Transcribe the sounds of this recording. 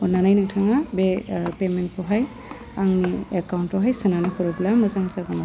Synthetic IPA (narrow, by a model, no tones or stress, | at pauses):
ɔnanajnaŋtʰaŋabepement̚pʰɔɦaj | aŋniekawntɔɦajsɯnanikʰɔɾɔblamɯzaŋzaɡɔna